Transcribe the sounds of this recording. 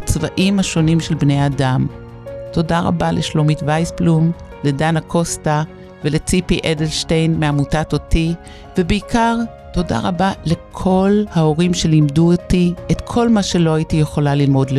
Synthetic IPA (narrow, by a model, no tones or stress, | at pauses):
at͡svaʔimhaʃo̞nimʃelbnejadam | to̞daʁa̰balʔeʃlomitvajsplum | le̞danakʰo̞sta | velet͡sipiʔedelʃtejnmeamutatoti | vebeikʰaʁ | to̞da̰ʁa̰bale̞kʰo̞lhao̞ʁimʃe̞limduotietkʰo̞lmaʃe̞lo̞ajitijeχo̞lalilmo̞dle